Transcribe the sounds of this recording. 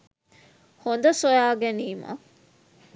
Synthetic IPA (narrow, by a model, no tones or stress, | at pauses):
hond̪ɐsojaːɡeniːma̰